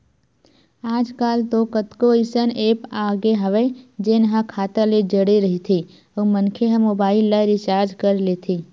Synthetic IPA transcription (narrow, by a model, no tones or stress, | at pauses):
aːd͡ʒkaːlt̪okət̪koisəneːpaːɡeɦɐʋed͡ʒenɦãkʰaːt̪aled͡ʒəɽeɾɐɦit̪ʰi | ɔːmənkʰeɦəmoːbaːɪlːaɾɪt͡ʃaːɾd͡ʒkəɾleːt̪ʰiː